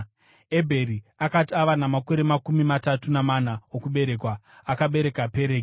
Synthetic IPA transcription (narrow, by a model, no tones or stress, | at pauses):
ebʱe̞ɾiakatiaʋanamako̞ɾe̞makumimatatunamanaokuɓe̞ɾe̞kwaː | kaɓe̞ɾe̞kape̞ɾeːki